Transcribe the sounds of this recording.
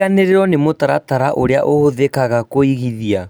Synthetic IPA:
aneɾeɾɔnemotaɾa̰taɾaʔoɾea̰ʔohoðekaɣakoiɣiðia

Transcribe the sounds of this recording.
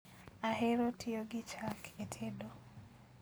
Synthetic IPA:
aɦeɾotʰɪoɡɪt͡ʃakʰetʰedo

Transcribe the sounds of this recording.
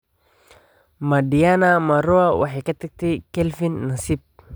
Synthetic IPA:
madianamaɾoawaħikat̪ɛk̚t̪ikɛlfinːasip̚

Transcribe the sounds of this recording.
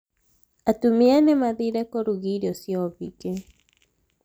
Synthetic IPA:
atumianɛmaðiɾɛkɔɾuɣiɾɔsjɔβike

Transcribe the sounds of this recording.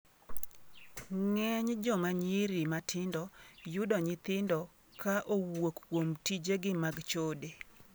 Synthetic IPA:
ŋɛɲd͡ʒɔmaɲiɾimatʰɪndɔjʊdɔɲɪt̪ɪndɔ | kaʔowokːwomtid͡ʒeɡɪmaɡt͡ʃode

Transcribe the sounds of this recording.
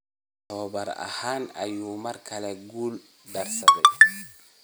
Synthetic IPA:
t̪ʰɔːβɐɾɐ̰haːnɐjuːmɐrkʰɐlɛɡuːl | ɖɐrsɐðɛj

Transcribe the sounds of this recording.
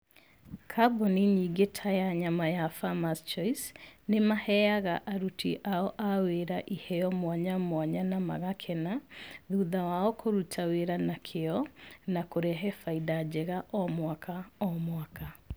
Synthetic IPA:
kʰabɔniɲiɡetʰajaɲamajafamast͡ʃɔisnemahɛaɣaʔaɾutʰiʔaɔʔaweɾaʔihɛjɔmwaɲamwaɲanama̰ɣakʰɛnaðuðawaɔkʰoɾutʰaweɾanakʰeɔnakoɾɛɦɛfaidad͡ʑɛɣaʔɔmwakʰaɔmwaka

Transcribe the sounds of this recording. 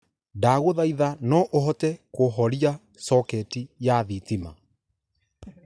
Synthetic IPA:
daːɣoðaiðanɔʔoɦɔtɛkoɦɔɾia | sɔkɛtijaðitima̰

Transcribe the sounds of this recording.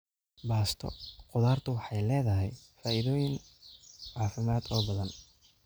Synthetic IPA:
baːst̪ʰɔ̰qʊðaːrt̪ʰʊwɑħɑjlɛːðɐɦɛjfaːʔɪðɔːjɪŋ | ʕaːfɪmaːd̪ɔːbɐðɐn

